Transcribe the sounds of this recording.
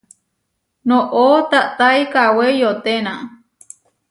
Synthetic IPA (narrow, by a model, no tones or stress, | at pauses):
nõʔot̪aʔt̪ajkawejot̪enã